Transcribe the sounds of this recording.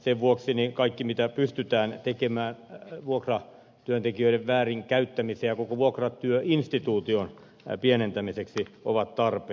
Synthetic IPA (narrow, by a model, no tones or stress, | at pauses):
seʋʋuoksinikɑikːimit̪æpyst̪yt̪æːnt̪ekemæːnʋuokrɑ | t̪yønt̪ekiøiɾeʋʋæːriŋkæyt̪ːæmiseːjjɑkokoʋuokrɑt̪yøinst̪it̪uːt̪ion | pienent̪æmiseksio̰ʋɑt̪t̪ɑrpe